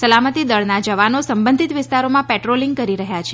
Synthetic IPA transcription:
səlamət̪id̪əɭnad͡ʒəʋanosəmbənd̪ʱit̪ʋɪst̪aɾomãpɛʈɾoliŋɡ̚kəɾiɾəɦjat͡ʃʰe

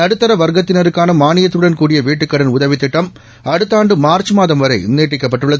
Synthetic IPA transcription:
ɐɽɯt̪ːɐɾɐʋɐɾɡɐt̪ːɪnɐɾɯkːaːnɐmaːnɪjɐt̪ːɾɯɽɐnkuːɽɪjɐʋeːʈːɯkːɐɽɐnʊðɐʋɪt̪ːɪʈːɐm | ɐɽɯt̪ːaːɳɖɯmaːɾt͡ʃɯmaːðɐmʋɐɾɐɪneːʈːɪkːɐpːɐʈːɯɭːɐð

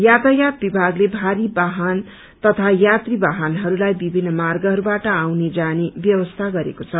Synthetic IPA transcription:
jat̪ajat̪̚bibʱaɡlebʱaɾibaɦʌn | t̪ʌt̪ʰajat̪ribaɦʌnɦʌɾulajbibʱinːʌmarɡʌɦʌɾubaʈʌawned͡zanebjʌbʌst̪ʰaɡʌɾḛkot͡sʰʌ

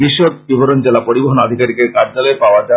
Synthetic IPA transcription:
biʃːod̪̚bibʱoɾond͡ʑelapoɾiboɦonad̪ʱikaɾikeɾkaɾd͡ʑalɔepaoad͡ʑa

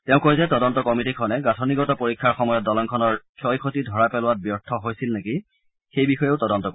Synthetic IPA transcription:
tɛʊ̃kojzɛtɔdɔntɔkɔmitikʰɔnɛɡatʰɔniɡɔtɔpoɹikʰːaɹxɔmɔjɔt̚dɔlɔŋkʰɔnɔɹkʰɔjkʰotidʱɔɹapɛlʊwat̚bjɔɹtʰɔɦojsilneki | xejbixɔjeʊtɔdɔntɔk

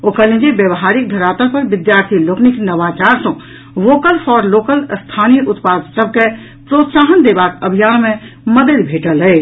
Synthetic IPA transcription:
okəlĩnd͡ʒebjəbɦaɾik̚d̪ʱəɾat̪əɾpəɾbid̪jaɾt̪ʰilokniknəʋat͡ʃaɾsɔ̃ | ʋokəlfʰɔɾlokəlst̪ʰanijəʔut̪pad̪səb̚ʱke | pɾot̪saɦənd̪ebakəbʱijanmẽ | məd̪əd̪bʱeʈəlɦəj

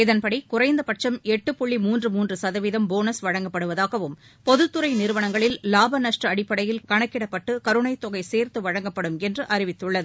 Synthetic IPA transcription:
ɪðɐnpɐɽikʊrɐɪnd̪ɐpɐʈ̚t͡ʃɐmɛʈːɯpɔɭːimuːndrɯmuːndrɯsɐðɐʋiðɐmboːnɐsʋɐɻɐŋɡɐpːɐɽɯʋɐðaːɣɐʋɯm | pɔðɯt̪ːɯɾɐɪnɪɾɯʋɐɳɐŋɡɐɭɪlːaːbɐnɐʂʈrɐɐɽɪpːɐɽɐjɪlkɐɳɐkːɪɽɐpːɐʈːɯkɐɾɯɳɐɪt̪ːɔɣɐɪseːɾt̪ɯʋɐɻɐŋɡɐpːɐɽɯmɛndrɯʔɐɾɪʋɪt̪ːɯɭːɐðɯ

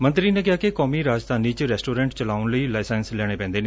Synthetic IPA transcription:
mənt̪ɾiːnẽːkɪɦaːkɪkɔːmiːɾaːd͡ʒt̪ʰaːniːt͡ʃɾɛːsʈoːɾɛ̃ːɳʈt͡ʃəlaːʊnləiːlaːsɛːnslɛːɽ̃eːpɛ̃ːnd̪eːneː

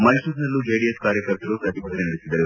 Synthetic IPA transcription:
mɐjsusnɐlːud͡ʒeɖieskaːɾjɐkɐɾt̪ɐɾusɐt̪ibʱɐt̪ɐnenɐɽisid̪ːɐɾu

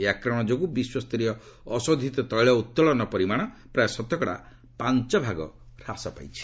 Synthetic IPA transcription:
eakɾɔɽ̃ɔd͡ʒokubiswɔst̪ɔɾiɔ | ɔsod̪ʱit̪ɔt̪ɔjɭɔut̪ːɔlɔnɔpɔɾimaɽ̃ɔ | pɾaesɔt̪ɔkɔɽa̰ | pant͡ʃɔbʱaɡɔ̰ɾasɔpa̰jt͡ʃʰi̥

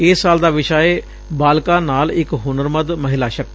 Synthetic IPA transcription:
eːsːaːld̪aːʋɪʃaːe | baːlkãːnaːlɪkɦʊnəɾməd̪məɦɪlaːʃək̪̚

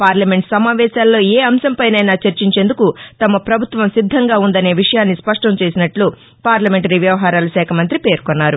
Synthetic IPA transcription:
paːɾlɐme̞ɳʈsɐmaːʋɛːsaːlːo̞ːeːɐmsɐmpɐjnɐjnaːt͡ʃɐɾt͡ʃiɲt͡ʃe̞nd̪ukut̪ɐmɐpɾɐbʱut̪ʋɐmsid̪ʱːɐŋɡaːund̪ɐne̞ːʋiʂɐjaːnːispɐʂʈɐmt͡ʃe̞ːsinɐʈlu | paːɾlɐme̞ɳʈɐɾiʋjɐʋɐɦaːɾaːlɐʃɛːkʰɐmɐnt̪ɾipe̞ːɾkonːaːɾu

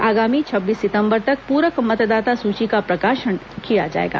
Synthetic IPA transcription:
aːɡaːmit͡ʃʰɐbːiːsːɪt̪ə̃mbəɾt̪ɐk̚puːɾəkmɐt̪d̪aːt̪asuːt͡ʃikapɾɐkaːʃən | kijad͡ʒa̰ːḛːɡa̰ː

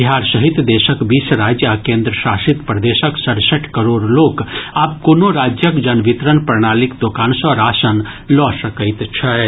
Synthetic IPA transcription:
biɦaːɾsəɦɪt̪d̪eːʃəkbiːsɾaːd͡ʒjəakẽːnd̪ɾəʃaːʃɪt̪pɾəd̪eːʃəksɐɽsəʈʰkəɾoːɽloːkaːp̚konoɾaːd͡ʒjəkd͡ʒɐnʋɪt̪ɾənpɾəɳaːlɪkd̪oːkaːnsɔːɾaːsən | lɔːsəkəɪt̪t͡ʃʰɐ

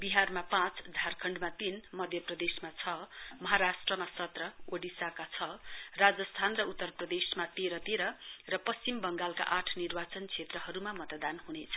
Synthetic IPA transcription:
biɦarmapãt͡sd̪ʱarkʰʌɳɖmat̪inmʌd̪ʱjʌprʌd̪esmat͡sʰʌmʌɦaɾasʈrʌmasʌt̪rʌoɖisakat͡sʰʌrad͡zʌst̪ʰanrʌut̪ːʌrprʌd̪esmat̪eɾʌt̪eɾʌrʌpʌst͡simbʌŋɡalka̰ʔaʈʰnirbat͡sʌnt͡sʰet̪rʌɦʌɾumamʌt̪d̪anɦunet͡sʰʌ

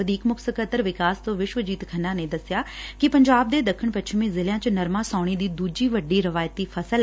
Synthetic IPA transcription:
əd̪iːkmʊkʰsəkət̪əɾʋɪkaːst̪õːʋɪʃʋəd͡ʒiːt̪kʰənãːneːd̪əsɪjaːkɪpəɲd͡ʒaːb̚d̪eːd̪əkʰːəɳ̃pət͡ʃʰmẽːzɪljãːt͡ʃnəɾmãːsaːɽ̃iːd̪iːd̪uːd͡ʒiːʋəɖiːɾɪʋaːjt̪iːpʰəsəl

